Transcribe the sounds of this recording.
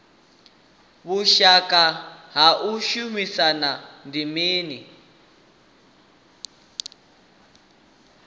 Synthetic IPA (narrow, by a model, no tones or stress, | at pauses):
βuʃakaɦaʔuʃumisanandimiːni